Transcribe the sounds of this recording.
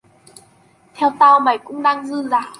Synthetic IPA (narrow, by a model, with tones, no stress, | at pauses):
t̪ʰɛ˧wt̪a˧wma˨˧˩jkʊ̰˧˥ŋ͡mɗaː˧ŋzɨ˧zaː˨˩